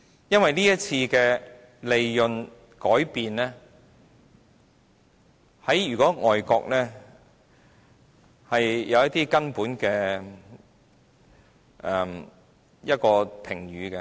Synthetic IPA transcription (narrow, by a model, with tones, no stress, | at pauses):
jɐ˥nwɐ˨jniː˥jɐ˥t̚t͡sʰiː˧kɛː˧ | le˨˧jjɵ˨n | kɔː˨˥jpiː˨nlɛː˥ | hɐ˨˥jɥyː˨˩kɔː˨˥ŋɔː˨jkɔ̰ː˧k̚nɛː˥ | hɐ˨jjɐ˨˧wjɐ˥t̚t̪iː˥kɐ˥npuː˨˥nkɛː˧ | ʔɛ˨m | jɐ˥t̚kɔː˧pʰɪ˨˩ŋɥyː˨˦kɛ˧